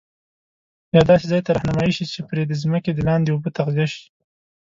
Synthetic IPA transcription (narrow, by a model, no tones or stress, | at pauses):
jɑd̪ɑsezɑjt̪aɾɑhnamɑjiʃit͡ʃepɾed̪əzməked̪əlɑnd̪eubət̪aɣɡaʃi̥